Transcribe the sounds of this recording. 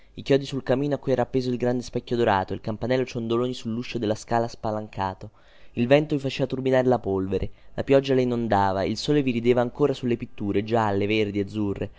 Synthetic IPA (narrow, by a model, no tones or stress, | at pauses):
ikjɔːd̪isulkamːiːnoakːujɛːɾapːeːzoilɡɾand̪espɛkʲːjod̪oɾaːt̪oilkampanɛlːot͡ʃond̪oloːnisulːuʃːod̪elːaskaːlaspalaŋkʰaːt̪o | ilvɛnt̪ovifat͡ʃeːvat̪urbinaːɾelapolveɾʔelapjɔd͡ʒːalainond̪aːvailsoːleviɾid̪eːvaːŋkoːɾasulːepit̪ːuːɾed͡ʒalːeverd̪iad̪zːurːʔe